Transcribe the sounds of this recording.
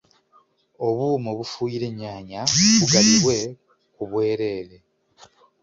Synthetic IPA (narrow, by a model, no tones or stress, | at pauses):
o̞βuːmoβufuːjiɾe̞ɲːaːɲaβuɡaliβwe̞ | kuβwe̞ːɾe̞ːle̞